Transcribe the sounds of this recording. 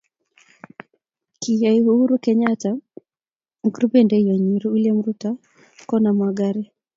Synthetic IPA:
kijaihuhuɾukɛɲata | ŋ̩ɡɾubɛndɛijaɲiɾuulɛm̩ɾuta | kɔnamwaɡaɾi

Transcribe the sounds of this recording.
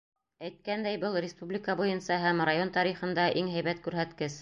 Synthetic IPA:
æjt̪̚kænd̪æjbɤlˠrʲɪspublʲɪkɑbujɤ̆nsɑɦæmrajont̪ɑɾiχɤ̆nd̪ɑʔiŋɦæjβæt̪kʉɾɦæt̪kɘs

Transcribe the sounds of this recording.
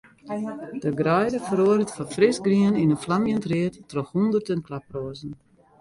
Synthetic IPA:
d̥əɡrɛjdəfəɾoəɾətfɔfrɪsɡriəninənflamjəntrɪətːrɔxhundərtənklaproːəzən̩

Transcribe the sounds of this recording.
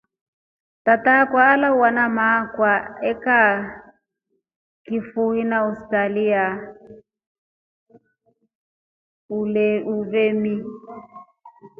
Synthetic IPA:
tatakwaːlauwanamakwaɛka | kifuhinaustalia | uɛuvemi

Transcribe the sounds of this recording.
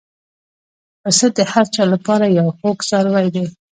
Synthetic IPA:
pəsət̪̚d̪əhaɾt͡ʃɑlapɑɾajawxokzɑɾwajd̪e

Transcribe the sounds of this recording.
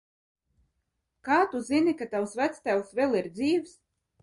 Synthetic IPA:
kaːt̪uzinikat̪awsvæt̪st̪æwsvɛlˠiɾd̪ziːvs

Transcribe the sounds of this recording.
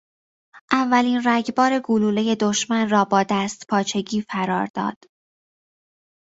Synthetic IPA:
ʔævːæliːnræɟbɒːɾe̞ɡuluːle̞je̞d̪o̞ʃmænrɒːbɒːd̪æːst̪pʰɒːt͡ʃʰe̞ɟiːfæɾɒ̰ːɾd̪̥ɒ̰ːd̪̥

